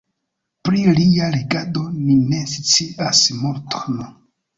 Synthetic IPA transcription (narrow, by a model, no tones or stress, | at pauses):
pɾilialeɡado̞nine̞si̥t͡siʔasmoɾtʰon